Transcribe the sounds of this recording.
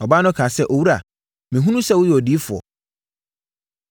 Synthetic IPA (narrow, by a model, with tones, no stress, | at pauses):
ɔ˨baː˦nʊ̃˦kʰãː˨sɛ˦ʔo˨wu˦ɾa̰˨ | mɪ̃˨ɦũ˦nũ˦sɛ˦˨wʊ˦jɛ˨ɔ˨di˨˦fʊ˨ɔ̰˨